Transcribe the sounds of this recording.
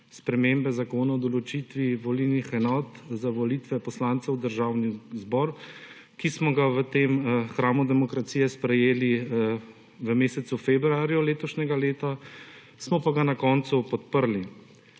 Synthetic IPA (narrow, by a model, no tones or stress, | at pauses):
spɾɛmeːmbɛzakoːnaɔd̪ɔlɔt͡ʃiːt̪ʋiʋɔlilnixɛnɔːt̪zaʋɔlit̪ʋɛpɔslaːnt̪sɛwd̪əɾʒaːwnizbɔːɾ | kismɔɡaʋət̪emxɾaːmud̪ɛmɔkɾat̪siːjɛspɾɛjeːli | ʋəmeːsɛt̪sufebɾuaːɾjɔleːt̪ɔʃnɛɡaleːt̪a | smɔpaɡanakɔːnt̪supɔt̪̚pəɾli